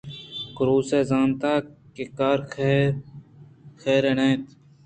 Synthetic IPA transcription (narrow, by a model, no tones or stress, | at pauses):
kʊɾuːseːzaːnt̪aːkekaːɾ | xʰeːɾenẽːt̪